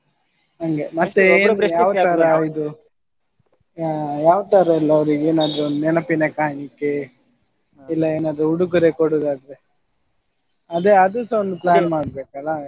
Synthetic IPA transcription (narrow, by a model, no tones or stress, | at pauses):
ɐŋɡemɐt̪ːeːɾjaːʋt̪aɾɐid̪u | jaːʋɐt̪aɾɐilːɐːʋɾiɡeːnaːd̪ɾuond̪unɛnɐpinekaːnikːe | ilːɐeːnaːd̪ɾuuɽukuɾekoɽoːd̪aːd̪ɾe | ɐd̪eɐd̪usond̪uplaːnmaːɽbeːkɐlːɐ